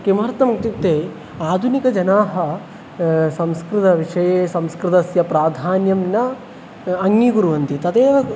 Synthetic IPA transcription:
kimɐɾt̪ɐmɐkʈ̪it̪eː | aːd̪ʱunikɐd͡ʒɐnaːɦɐ | sɐ̃mskɾɪt̪ɐʋiʂɐjeːsɐ̃mskɾɪt̪ɐsjɐpɾaːd̪ʱaːnjɐmnɐ | ɐŋːiɡuɾuʋɐnt̪it̪ɐt̪eːʋɐ

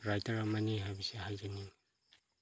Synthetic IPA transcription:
ɾajtaɾamaniɦabisehajzanin

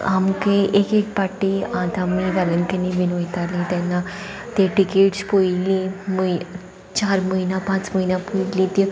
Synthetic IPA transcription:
amkeʔekek̚paʈiãt̪amiʋaləŋkəniʋinojt̪alĩt̪jɛnːa | t̪eʈikeʈspojilĩməj | t͡ɕaɾməinapãt͡sməɦinapuilĩt̪i

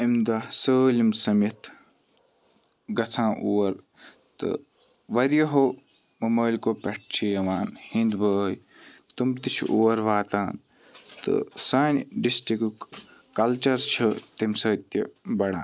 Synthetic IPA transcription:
imd̪ɐsəːlʲimsɐmɐt̪ʰ | ɡɐt͡sʰãːʔuːɐɾ | t̪ɨ̰ | ʋɐɾjɐɦo | mɐmɐːlʲkoːpʲɐʈ̚t͡ʃʰijɐʋaːnhĩnd̪bəːj | t̪umt̪it͡ʃʰʔuːɐɾʋaːt̪aːn | t̪ɨ̰saːnʲɖisʈikk | kɐlt͡ʃɐɾt͡ʃʰɐt̪imsɐːt̪ibɐɽa̰ːn

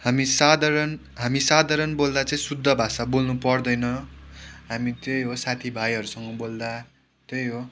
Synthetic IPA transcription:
hamisad̪ʱaɾʌn | ɦamisad̪ʱaɾʌnbold̪at͡saĩsud̪ʱːʌbʱasabolnupʌrd̪ʌjnʌ | ɦamit̪jejɦosat̪ʰibʱajɦʌɾusʌŋɡʌbold̪a | t̪jejɦo

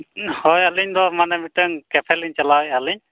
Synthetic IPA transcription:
hɔjaliɲd̪ɔmanɛmitaŋkɛpʰɛliɲt͡ʃalajaliɲ

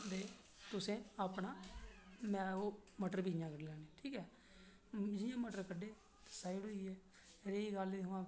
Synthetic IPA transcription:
d̪eː | t̪ʊsẽːaːpɳaː | mɛ̃ːoːməʈəɾbiːd͡ʒɪjãːkəɖlɛːneːʈʰiːkɛː | d͡ʒɪjãːməʈəɾkəɖeː | t̪ːsaːiɽɦoːiːɛː | ɾeːiːɡəliːʊãː

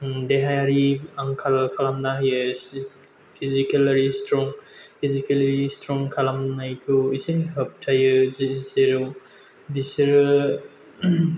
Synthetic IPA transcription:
deɦajaɾiaŋkʰalkʰalamnaɦjɯs | pʰizikelaɾistɾɔŋpʰizikelɾistɾɔŋkʰalamnajkʰuisinɦɐp̚tʰajɯzseɾu | bisiɾɯ

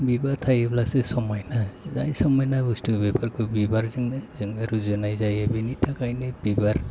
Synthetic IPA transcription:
bibat̪ʰajeblasesɔmɔjnazajsɔmɔjnabustubebaɾkobibaɾzɯŋnezɯŋaɾuzɔnajzajabinitʰakajnebibaɾ

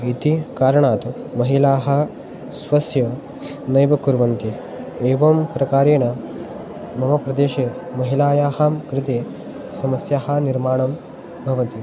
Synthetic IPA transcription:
it̪ikaːɾɐɳaːt̪umɐɦilaːɦɐ̆ | sʋɐsjɐ | nɐjʋɐkuɾʋɐnt̪i | eːʋɐmpɾɐkaːɾeːnɐ | mɐmɐpɾɐd̪eːʃeː | mɐɦilaːjaːhaːmkɾɪt̪eː | sɐmɐsjɐɦɐ̆niɾmaːɳɐm | bʱɐʋɐt̪i

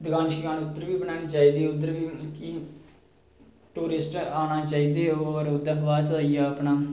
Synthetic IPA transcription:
d̪əɡaːnʃiɡaːnʊd̪ːəɾʋiːbənaːniːt͡ʃaːiːd̪iːʊd̪ːəɾʋiːki | ʈuːɾɪsʈaːnaːt͡ʃaːiːd̪eːoːɾʊd̪əɾɦʋaːt͡ʃaːijaːəpnaː

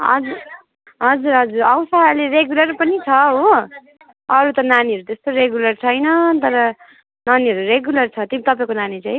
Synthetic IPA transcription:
ɦʌ̰d͡zur | ɦʌd͡zuɾɦʌd͡zuɾʌwsaɦʌleɾeɡjulʌrpʌnit͡sʰʌɦo | ʌɾut̪ʌnaniɦʌɾut̪est̪oɾeɡjulʌrt͡sʰʌjnʌt̪ʌɾʌ | naniʌɾureɡjulʌrt͡sʰʌt̪imit̪ʌpaĩkonanit͡saj

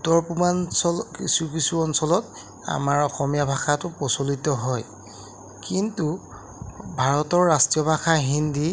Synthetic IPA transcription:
utɔɹpumansɔlkisukisuɔnsɔlɔt | a̰maɹɔxɔmijabʱaxatʊpɔsolitɔɦɔj | kintu | bʱaɹɔtɔɹːastɹijɔbʱaxaɦindi

